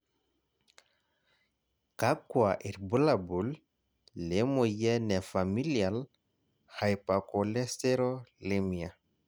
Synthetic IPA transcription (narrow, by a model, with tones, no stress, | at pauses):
ka˦kwa˨ʔi˨ɾbu˦la˨bu˨lː | e˨mo˨jɛ˦nɛ˨fa˨mi˦lia˨l | ha˨jpa˨ko˨le˦ste˦ɾo˦le˦mi˨a˨